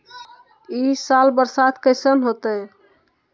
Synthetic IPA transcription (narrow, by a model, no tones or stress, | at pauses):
isalbəɾsad̪kəɪsənɦot̪ə